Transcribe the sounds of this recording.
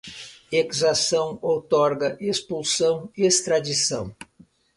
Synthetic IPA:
ekizasɐ̃w̃owt̪ɔɾɡɐʔespulsɐ̃w̃est̪ɾad͡ʒisɐ̰̃w̃

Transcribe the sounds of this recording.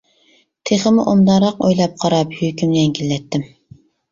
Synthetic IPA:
t̪ʰeχəmʊʔomd̪ɑɾɑqo̰jlˠɑp̚qʰɑɾɑphykʲymɛŋkʲʰilːɛt̪ːɪm

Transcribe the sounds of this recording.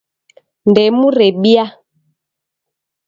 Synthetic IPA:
ndɛmuɾɛɓia

